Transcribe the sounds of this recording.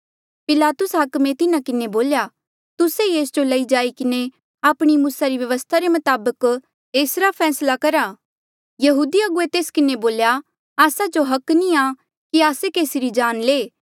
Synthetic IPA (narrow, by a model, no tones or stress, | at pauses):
pɪlaːt̪ʊsɦaːkmẽt̪ɪnãkɪneboːlja | t̪ʊsejeːsd͡ʒolɐid͡ʒaːikɪne | aːpɽ̃imuːsaɾiʋjɐʋəst̪ʰaɾemɐt̪aːbək | eːsɾapʰɛːslakɐɾa | jɐɦuːd̪iɐɡʊet̪eːskɪneboːlja | aːsad͡ʒoɦɐknĩa | kiaːsekeːsɪɾid͡ʒaːnleː